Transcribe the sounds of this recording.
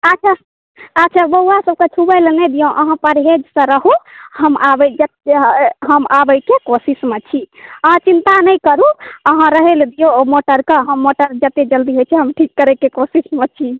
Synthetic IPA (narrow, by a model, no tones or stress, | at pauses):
əːt͡ʃʰa | ətːt͡ʃʰabəɦuasəb̚ket͡ʃʰubəjlnɛd̪ijõʔəɦãpəɾɦed͡ʒsə̃ɾəɦuhəmabəd͡ʒət̪ɦəmabəkekosismet͡ʃʰiəɦãt͡ʃint̪anəjkəɾuəɦãɾəɦeld̪ijomoʈəɾkeɦəmːoʈəɾd͡ʒət̪ed͡ʒəld̪iɦojt͡ʃʰɛɦəmʈʰikːəɾekekosismet͡ʃʰi